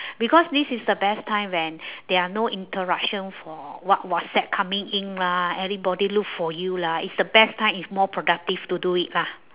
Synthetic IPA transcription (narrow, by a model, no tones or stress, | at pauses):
bikɔsdisisdəbɛstʰãɪ̃mwɛ̃ndɛanoʔĩntʰəɹak̚ʃə̃nfɔwɔt̚wɔssɛt̚kʰãmĩŋĩnlaɛɹibɔdilukfɔjulaḭtsdəbɛstãɪ̃mitsmɔpʰɹodak̚tiftuduit̚la